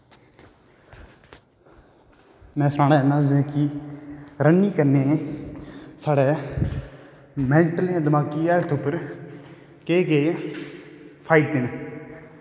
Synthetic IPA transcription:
mɛ̃ːsɾãːnaːɛnãːd͡ʒẽːki | ɾəniːkəɾneː | saːɽɛː | mɛ̃ːɳʈəlãːd̪əmaːkiːɛːlt̪ʰʊpːəɾ | keːkeː | pʰaːɪd̪eːne

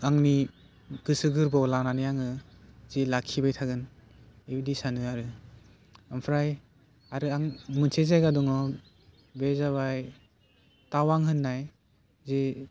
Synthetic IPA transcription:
aŋni | ɡɯsɯɡɯɾbawlananɯjaŋɯ | z̥ilakʰːibajtʰaɡɯn | ebidisanɯaɾɯ | ampʰɾaj | aɾɯaŋmɯnsʰezajɡaduŋɔ | bezaβaj | tawaŋɦɯnːaj | zi

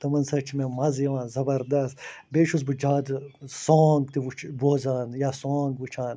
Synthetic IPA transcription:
t̪ɐmɐnsɐt͡ʃʰimẽmɐzjɐʋãːzɐbɐɾd̪ɐst̪beːʃus̬bud͡ʒaːd̪soːŋɡt̪iʋut͡ʃʰboːzaːnjaːsoːŋɡʋut͡ʃʰaːn

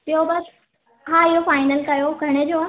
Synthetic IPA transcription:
pɪobɐs | ɦaːɪɦofaːɪnəlkɐjoɡʱɐɽ̃ed͡ʑoːaː

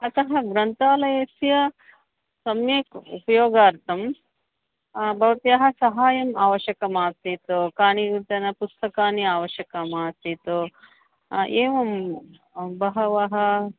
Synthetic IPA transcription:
ɐt̪ɐɦɐ̆ɡɾɐnt̪aːlɐjɐsjɐ | sɐmjeːkṵpɐjoːɡaːɾt̪ɐm | bʱɐʋɐt̪jɐɦɐ̆sɐɦaːjɐmaːʋɐʃɐkɐmaːt̪it̪okaːɳiʋit̪ɐnɐpust̪ɐkaːniaːʋɐʃjɐkɐmaːt̪it̪o | eːʋɐm | bɐɦɐʋɐɦɐ

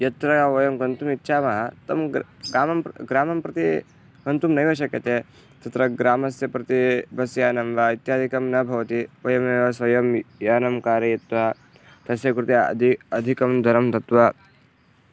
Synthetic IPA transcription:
jɐt̪ɾɐjɐʋɐjɐmɡɐnt̪umit̪ːʃʰaːmɐɦɐt̪ɐmɡɾaːmɐmpɡɾaːmɐmpɾɐt̪i | ɡɐnt̪umnɐɦiʋɐʃ̬ɐkjɐt̪e | t̪ɐt̪ɾɐɡɾaːmɐsjɐpɾɐt̪ibʱɐsjaːnɐmʋait̪jaːd̪ʱikɐmnɐbʱɐʋɐt̪iʋɐjɐmnɐʋɐsʋɐjɐmjaːnɐmkaːɾɐjɐt̪ʋɐɐ | t̪ɐsjɐkɾut̪iɐ̰ɐd̪ʱikɐmd̪ʱɐɾɐmt̪ɐt̪ʋɐ

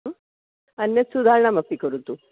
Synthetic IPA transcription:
ɐnjɐsud̪ʱaːɾɳɐmɐpːikɐɾut̪ːu

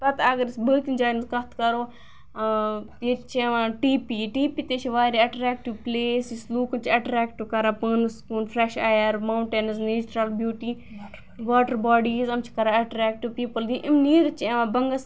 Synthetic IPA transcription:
p̪ɐt̪aɡɐɾisbəːt̪ind͡ʒaːjnɐzkɐt̪kɐɾoː | t̪eːt͡ʃʰɐʋãːʈiːpiːʈiːpit̪eːt͡ʃʰiʋaːɾiɐʈɾɛːk̚ʈiʋpleːsisluːkɐnt͡ʃʰiɐʈɾɛːkʈiʋkɐɾaːpəːnɐskuːnfʰɾeʃaːjɐɾmawɳʈeːnɐzneːt͡ʃɾɐlbjuːʈiː | ʋaːʈəɾbaːɖiːzɐmt͡ʃʰi̥kɐɾaɐʈɾɛːk̚ʈuʋpiːpəld̪ĩʔimniːɾɐt͡ʃʰiɐʋãːbɐŋɡɐs

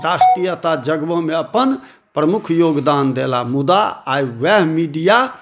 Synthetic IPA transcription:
ɾasʈɾijət̪ad͡ʒəɡbəmeəpən | pɾəmukʰjoːɡd̪and̪elamud̪aaiʋɛɦmiɖija

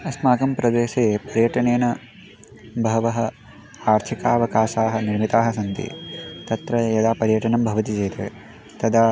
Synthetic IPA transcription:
ɐsmaːɡɐmpɾɐd̪eːʃeːpɐɾjɐʈɐneːnɐ | bʱɐʋɐɦɐ̆ | aːɾt̪ʰikaːɐʋɐkaːʃaːɦɐniɾmit̪aːɦɐsɐnt̪ḭt̪ɐt̪ɾɐjɐd̪aːpɐɾjɐʈɐnɐmbʱɐʋɐt̪id͡ʒeːt̪ɐ | t̪ɐd̪aː

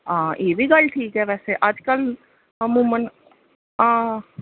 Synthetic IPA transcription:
ãʔeːʋiɡɐlʈʰiːkɦɛʋɛːseʔaːd͡ʒkəl | mũmən | ãː

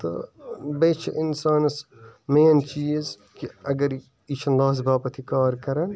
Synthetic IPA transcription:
t̪ɐ̰beːt͡ʃʰɐʔɪnsaːnɐsmeːnt͡ʃiːz | kiɐɡɐɾ | it͡ʃʰɐnlaːs̬baːpɐt̪ʰikaːɾkɐɾɐn

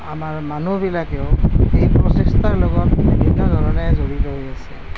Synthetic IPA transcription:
amaɹmanubilakɛʊejpɹɔsestaɹlɔɡɔtnibʱinːɔdʱɔnɔnɛzoɹitɔɦojasɛ

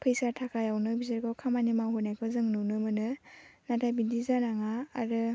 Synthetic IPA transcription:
pʰɯjsaɾtʰakʰajawnɯbizaɾɡawkʰamanimawɦunajkʰɔzɯŋnɯnɯmɯnɯnatʰajbidizanaŋaːɾɯ

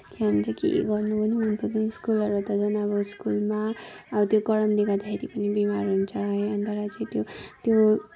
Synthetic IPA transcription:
keɦʌnt͡sʌkḛɡʌrnubʱʌnibunpʰʌt͡sanskulʌɾut̪ʌd͡zʌnaβʌskulma | ʌbʌt̪jokʌɽʌmd̪ikad̪akʰeɾipʌnibimaɾɦunt͡sʰʌɦʌjʌnt̪ʌɾat͡sʌ̃j̃t̪jot̪jo

